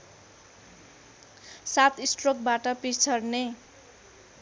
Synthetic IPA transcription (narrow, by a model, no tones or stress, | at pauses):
sat̪isʈrok̚baʈʌpit͡sʰʌrne